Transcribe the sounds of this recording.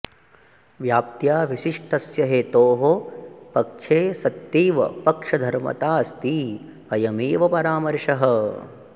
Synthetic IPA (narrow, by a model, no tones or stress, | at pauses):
ʋjaːp̚t̪jaːʋiʃiʂʈɐsjɐɦeːt̪oːɦopɐk̚ʂʰeːsɐt̪ːiːʋɐ̰pɐkʂɐd̪ʱɐɾmɐ̰t̪aːst̪i | ɐjɐmiːʋɐpɐɾaːmɐɾʂɐɦɐ